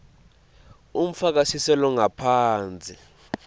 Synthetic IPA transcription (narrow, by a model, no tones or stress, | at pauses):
um̩fak̬asisɛlɔŋapʰaːnd͡zʱʼi